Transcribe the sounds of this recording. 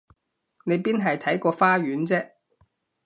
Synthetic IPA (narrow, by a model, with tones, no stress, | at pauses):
ne˨˧jpiː˥nɦɐ˨jt̪ʰɐ˨˥jkɔː˧faː˥ɥyː˨˥nt͡sɛː˥